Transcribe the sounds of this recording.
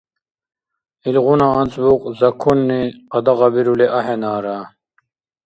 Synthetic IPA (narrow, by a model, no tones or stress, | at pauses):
ilʁunaːnt͡sbuqzɐkʰunːiqɑd̪ɐʁɑbiɾuleʔɐɦenaːɾa